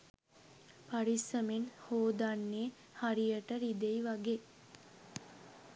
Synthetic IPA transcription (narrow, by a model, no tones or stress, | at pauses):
paɾisəmenhoːd̪anːeː | haɾijəʈəɾid̪ejʋaɡeː